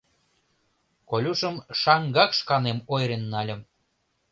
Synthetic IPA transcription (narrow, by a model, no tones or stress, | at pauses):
kolʲuʃəmʃɑŋɡɑkʃkɑnemojɾenːɑlʲə̆m